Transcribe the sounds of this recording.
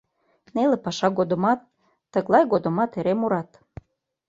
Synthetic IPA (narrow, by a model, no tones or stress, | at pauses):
nelepɑʃɑɣod̪ə̆mɑt̪ː | əɣlɑjɣod̪əmɑt̪eɾemoɾɑt̪